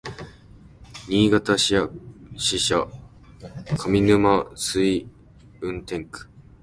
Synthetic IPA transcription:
ɲiːɡat̪aɕiaɕiɕa | kʰamʲinɯ̟masɨi | ɯ̟̃nt̪ẽ̞ŋkɯ̥

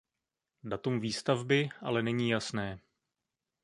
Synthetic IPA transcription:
dat̪umviːst̪avbɪʔa̰lɛnɛɲiːjasnɛː

